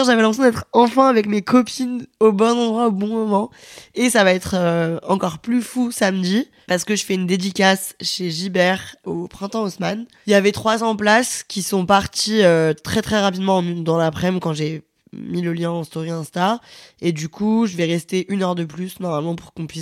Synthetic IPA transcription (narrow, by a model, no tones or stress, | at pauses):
ʒavɛlɛ̃pχesjɔ̃d̪ɛt̪χɑ̃fɛ̃avɛkmekɔpʰinobɔ̃zɑ̃d̪ʁwaobɔ̃mɔmɑ̃ | esavaɛt̪χøɑ̃kɔʁplyfusamd̪i | paʁsə̥kəʒəfɛynd̪ed̪ikʲasʃeʒibɛʁopχɛ̃t̪ɑ̃ɔsmaniljavɛt̪χwazɑ̃plaskʲisɔ̃paʁt̪iøt̪χɛt̪χɛʁapid̪mɑ̃d̪ɑ̃lapχɛmkɑ̃ʒe | miləljɛ̃ɑ̃st̪oʁiɛ̃st̪aed̪ykʰuʒəvɛʁɛst̪eʔynœʁd̪əplysnɔʁmalmɑ̃puʁkɔ̃pɥis